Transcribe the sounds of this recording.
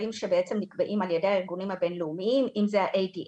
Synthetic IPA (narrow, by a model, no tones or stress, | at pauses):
imʃebeet͡semnikbeʔimaljede̞jhaiʁɡunimhabe̞nleumiimʔimzeaʔejdi